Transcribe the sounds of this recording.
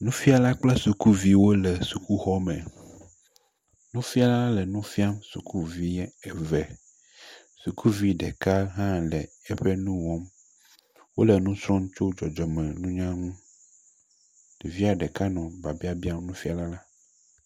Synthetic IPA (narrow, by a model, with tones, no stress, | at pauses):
nũ˦fi˦a˨la˦k͡plɛ˦su˨ku˦vi˦wo˦lɛ˨su˨ku˦xɔ˦mɛ̃˨ | nũ˦fi˦a˨la˦lɛ˨nũ˦fi˦a˦msu˨kʰu˦vi˦ɲɛ˦ɛ˨vɛ˨ | su˨kʰu˦vi˦ɖɛ˨ka˦ɦã˦lɛ˨ | ɛ˦ɸɛ˦nũ˦wɔ˦m | wo˦lɛ˨nũ˦sɾɔ̃˦ŋ̃˦t͡ʃo˦d͡ʒɔ˨d͡ʒɔ˨mɛ̃˨nũ˦ɲã˦ŋũ˦ | ɖ̥e˨vi˦a˨ɖɛ˨ka˦nɔ̃˨ba˨bi˦a˦bi˦a˦mnũ˦fi˦a˨la˦la˦